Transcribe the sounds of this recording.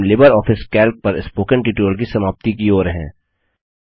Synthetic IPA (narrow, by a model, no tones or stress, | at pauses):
lɪbəɾɔːfʰɪskɛːlk̚pɐɾɪ̰spoːkə̃ɳʈiːʈuəlk̬isɐmaːp̚t̪ikioːɾɦɛ̰̃ː